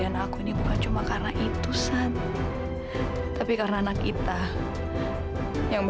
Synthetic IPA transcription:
anakunibukant͡ʃumakarnaʔit̪usan | t̪apikarnaːnakit̪a | jaŋb

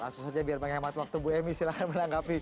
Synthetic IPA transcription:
ka̰susad͡ʒabiarmaŋamat̪wak̚t̪ubuɛmiːsilakanmənaŋɡapi

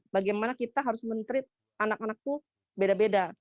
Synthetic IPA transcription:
baɡemanakit̪aɦaɾʊsmənt̪əɾɪt̪̚ | anakanak̚t̪u | bedabeda

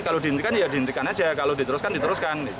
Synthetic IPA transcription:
kalodint̪ikanjadint̪ikanad͡ʒakalodit̪əɾʊskandit̪əɾʊskani

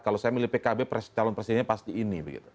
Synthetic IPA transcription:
kalosajamilipekabepɾɛst͡ʃalɔnprɛsidɛnɲapast̪iːnibəɡḭt̪u̥

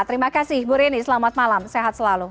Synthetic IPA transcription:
t̪əɾimakasɪhbuɾinisəlamat̪̚malamseɦat̪̚səlalu

